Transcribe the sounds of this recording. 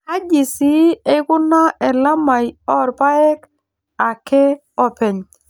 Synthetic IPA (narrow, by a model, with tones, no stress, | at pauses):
a˦d͡ʒi˨si˦e˦kʊ˦na˦ɛ˨la˦ma˨jɔ˦ɾpa˦ɛ˦k | a˨kɛ˦ | ɔ˦pɛ˨ɲ